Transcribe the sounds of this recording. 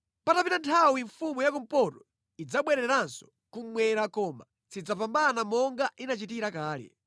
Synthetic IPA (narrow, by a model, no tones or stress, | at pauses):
patapinantʰawiɱfumujakum̩pɔtɔ̥ | id͡zaɓwɛɾɛɾansɔ̥ | kumwɛɾakɔːma | t͡sid͡zapambanamɔŋɡaʔinat͡ʃitiɾakaːlɛ̰